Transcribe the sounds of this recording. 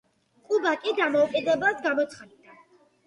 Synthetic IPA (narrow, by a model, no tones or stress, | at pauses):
qʼubakʼid̪amɔukʼid̪ɛbasɡamɔt̪sʰχan